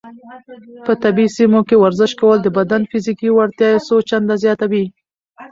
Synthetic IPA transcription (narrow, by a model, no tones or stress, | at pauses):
pət̪abisimokewaɾzɪʃkawəld̪əbad̪anfizikiwaɾt̪jɑjesot͡ʃand̪azjɑt̪awi